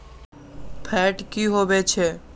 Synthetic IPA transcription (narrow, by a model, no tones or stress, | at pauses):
pʰɛʈkiɦoʋet͡ʃʰe